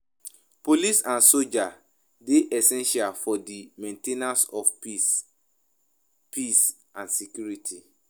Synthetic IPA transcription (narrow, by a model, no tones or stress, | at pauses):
polisãnsod͡ʒa | deʔɛsɛ̃nʃalfɔdimɛ̃ntenasɔfpi | pʰis | ãnsekjuɹitʰi